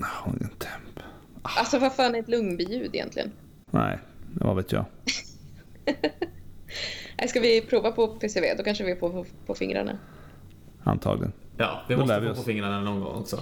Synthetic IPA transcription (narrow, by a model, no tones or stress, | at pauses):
aʊnɪŋənt̪ʰɛmp | ʔalsɔvaɾfaːnɛɾɛt̪lɵŋnbɪjʉ̟ːd̪ɪjɛ̰nt̪lɪ̰ɡə̰n | næɪd̪ɛvavet̪jɑ̰ː | nʔæ̰ɪskavɪpʰɾuːvapʰɔpʰeːsɛvḛːd̪ɔkanʂəvɪɛpʰoːpʰɔfɪŋɾa̰ɳa̰ | a̰nt̪ʰɑ̰ːɡlɪɡənjɑ̰ːvɪmd̪ɔɛːɪpɔfɪŋɾaɳanɔnɡɔ̰ŋːɔ̰ksɔ